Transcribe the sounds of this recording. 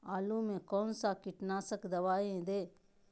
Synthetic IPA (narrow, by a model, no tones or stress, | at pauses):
aːluːmẽkɔːnsakɪʈnaːsəkd̪ɐʋaːẽd̪eː